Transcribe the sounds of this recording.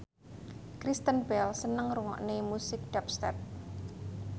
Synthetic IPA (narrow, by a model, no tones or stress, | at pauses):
kɾist̪ənbɛlsənəŋɾuŋɔ̰ʔnemusɪk̚d̥ɛp̚st̪ɛ̰p̚